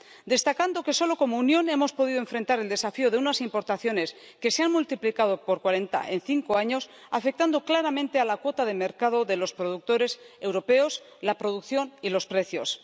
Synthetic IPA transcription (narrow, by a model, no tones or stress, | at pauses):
d̪e̞st̪akand̪o̞keso̞lo̞ko̞mounjo̞ne̞mo̞spo̞ðiðoe̞ɱfɾe̞nt̪aɾe̞ld̪e̞safioð̞e̞unasimpo̞ɾt̪aθjo̞ne̞s | ke̞seanmult̪iplikað̞o̞po̞ɾkwaɾe̞nt̪a̰ʔe̞nθiŋko̞aɲo̞s | afe̞k̚t̪and̪o̞klaɾamẽnt̪e̞alakwo̞t̪aðe̞me̞ɾkaðo̞ðe̞lo̞spɾo̞ðuk̚t̪o̞ɾe̞se̞wɾo̞pe̞o̞s | lapɾo̞ðukθjo̞nilo̞spɾe̞θjo̞s